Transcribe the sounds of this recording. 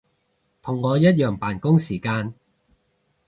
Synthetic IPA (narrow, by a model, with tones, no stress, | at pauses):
t̪ʰʊ˨˩ŋːɔː˨˧jɐ˥t̚jœː˨˩ŋpaː˨˩nkʊ˥ŋsiː˨˩kaː˧n